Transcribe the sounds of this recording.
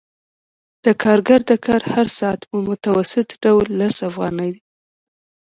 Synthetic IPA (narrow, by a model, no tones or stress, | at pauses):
d̪̥əkʰɑɾɡaɾd̪əkʰɑɾhaɾsɑat̪mmʊt̪awasɪt̪ɖawlːasafɣɑnəjd̪i